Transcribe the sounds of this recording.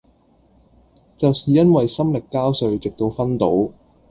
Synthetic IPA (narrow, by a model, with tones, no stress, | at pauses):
t͡sɐ˨wsiː˨jɐ˥nwɐ˨jsɐ˥mlɪ˨kːaː˥wsɵ˨˧ɥt͡sɪ˨k̚t̪o˧wfɐ˥nt̪o˨˥w